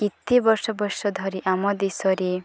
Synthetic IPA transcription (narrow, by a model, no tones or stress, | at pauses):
kit̪ːibɔɾsɔbɔʃɔd̪ʱɔɾiʔamɔd̪isɔɾi